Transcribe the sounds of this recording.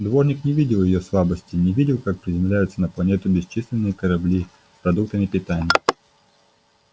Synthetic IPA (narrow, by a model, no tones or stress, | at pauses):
d̪vo̞ʐnʲɪknʲɪvʲidʲɪlˠjɪjoslˠabəsʲtʲɪnʲɪvʲidʲɪlˠkak̚pɾʲɪzʲɪmlʲæjʊt̪sənəplˠɐnʲet̪ʊbʲɪst͡ɕislʲɪnːɨjəkəɾɐblʲi | pɾɐd̪uk̚t̪əmʲɪpʲɪt̪anʲɪjə